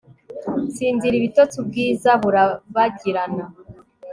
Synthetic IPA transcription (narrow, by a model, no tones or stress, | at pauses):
t͡siːnziɾiβitotubɡiːzaβuɾaβaɟiɾana